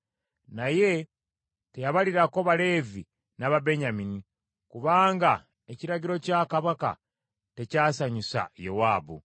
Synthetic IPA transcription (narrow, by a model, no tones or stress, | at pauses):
naje̞ | te̞jaβaliɾakoβale̞vi | naβabe̞ɲamini | kuβaːŋɡa | eciɾaɟiɾo̞caːkaβaka̰ | te̞caːsaɲusa̰jowaːbu